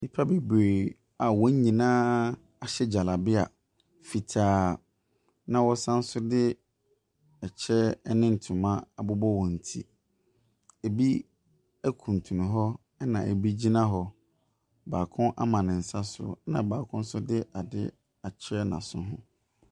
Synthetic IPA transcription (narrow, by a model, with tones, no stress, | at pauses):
mi˦pʰa˦be˨bɾe˨ | a˨wɔ̃˨˦ɲ˦ɲĩ˨nã˦ | a˨ɕɛ˦d͡ʑa˨la˨bɪ˦a˨ | fi˨tʰaː˨˦ | nã˦wɔ˦sã˦n̩˦sʊ˦dɪ˦ | ɛ˨t͡ɕʰɛ˦ɛ˦nɪ̃˦n̩˨tʰʊ̃˨mã˦a˨bʊ˦bɔ˦wɔ̃˨n̩˨tʰḭ˦ | e˨bi˦ | æ˦kʰũ˨n̩˨tʰu˨nũ˨ɦɔ˦ | ɛ˦nã˨ḛ˨bi˦d͡ʑi˦nã˦ɦɔ˨ | baː˨kʰʊ̃˦ʔa̰˦mã˨nɪ̃˨n̩˨sa˦sʊ̰˨nã̰˨baː˨kʰʊ̃˦n̩˦sʊ˦dɪ˦ʔa˨dɪ̰˦ | a˨t͡ɕʰɛ˦nã̰˨sʊ̃˦ɦʊ̰̃˦